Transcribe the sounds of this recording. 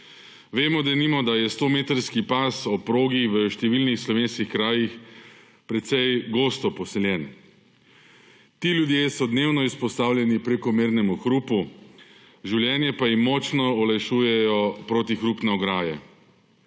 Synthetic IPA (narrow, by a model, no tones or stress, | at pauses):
ʋeːmɔd̪ɛnimɔd̪ajɛst̪oːmeːt̪ɾskipaːsɔpɾoːɡiʋəʃt̪ɛʋiːlnixslɔʋeːnskixkɾaːjix | pɾɛt̪sɛjɡoːst̪ɔpɔsɛljɛn | t̪iːljud̪jeːsɔd̪neːwnɔispɔst̪aːwlʲjɛnipɾekɔmeːɾnɛmuxɾuːpu | ʒiwljɛːnjɛpajimmɔt͡ʃnɔɔlajʃuːjɛjɔpɾoːt̪ixɾupnɛɔɡɾaːjɛ̰